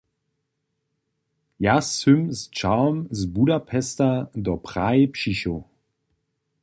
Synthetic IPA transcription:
jasʏmzt͡ʃaʊmzbudapʰɛstɐdɔpʁ̥aepʃiɕo

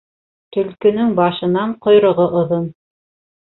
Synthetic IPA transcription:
t̪ɵ̆lkɵ̆nɵŋbɑʃɤ̆nɑɴqŏjɾŏʁoʔŏðon

